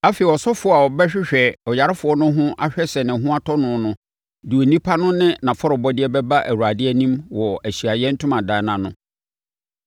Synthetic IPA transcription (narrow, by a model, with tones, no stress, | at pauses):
a˦fe˨ɔ˨sɔ˦fʊ˦˨a˨wɔ˨bɛ˦ɕᶣɪ˦ɕᶣɛ˨ɔ˨ja˨ɾɪ˦fʊ˨˦ɔ˦nʊ̃˦ɦʊ̃˦ʔa̰˦ɕᶣɛ˦sɛ˨nɪ̃˨ɦʊ̃˦a˦tʰɔ˦nʊ̃˨˦nʊ̃˦ | du˨o˨nĩ˦pʰa˦nʊ̃˦nɪ̃˦nã˨fɔ˦ɾɔ˨bɔ˦dɪ˦ɛ˦bɛ˦ba˦ʔæ˨wu˨a˨dɪ˦ɛ˦nĩ˦mwɔ˨æ˨ɕi˨a˨jɛ˦n̩˦tʰʊ̃˦mã˨daː˨˦nã˨nʊ̃˦